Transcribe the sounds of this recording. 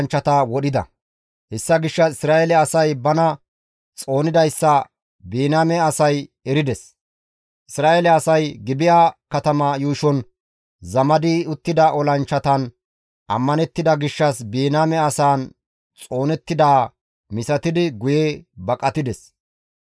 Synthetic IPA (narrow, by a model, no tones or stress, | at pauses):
nt͡ʃːɐt̪awɔɗɪd̪ɐ̰ | hɛsːɐɡɪʃːɐɪsɾaːʔelɛɐsɐjbɐnɐ | t͡sʼo̞ːnɪd̪ɐjsːɐ | biːnaːmɛɐsɐj | ɛɾɪd̪ɛs | ʔɪsɾaːʔelɛɐsɐjɡɪbɪjaːkɐt̪ɐmaːjuːʃɔn | zɐmɐd̪ɪʊt̪ːɪd̪ɐʔɔlɐnt͡ʃːɐt̪ɐn | ʔɐ̰mːɐnɛt̪ːɪd̪ɐɡɪʃːɐsbiːnaːmɛɐsaːn | t͡sʼo̞ːnɛt̪ːɪd̪aː | mɪsɐt̪ɪd̪ɪɡʊjebɐkʼɐt̪ɪd̪ɛs